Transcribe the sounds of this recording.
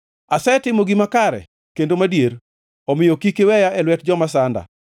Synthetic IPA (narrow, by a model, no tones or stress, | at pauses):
asɛtɪmoɡimakaɾɛ̰ | kendomadjeɾ | ɔmɪjokikewɛjaʔɛlwɛtd͡ʒɔmas̬anda̰